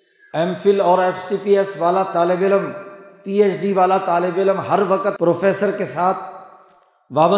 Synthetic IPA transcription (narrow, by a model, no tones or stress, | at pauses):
eːmfʰɪlɔːɾeːfsipiːesʋaːlat̪aːlɪbɪləmpiːeːt͡ʃɖiʋaːlat̪aːlɪbɪləmɦɐɾʋɐkət̪̚pɾoːfeːsəɾkesaːt̪ʰ | ʋaːbə